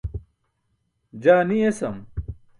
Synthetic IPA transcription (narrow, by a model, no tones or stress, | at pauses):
d͡ʑaːniesɐm